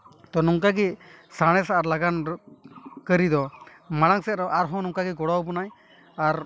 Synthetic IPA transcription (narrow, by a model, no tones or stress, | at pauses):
t̪ɔnɔŋkaɡisaɽ̃ɛsaʔaɾlaɡan | kəɾid̪ɔ | maɽ̃aŋsɛɾɔʔaɾɦɔ̃nɔŋkaɡiɡɔɽawbɔnaj | aɾ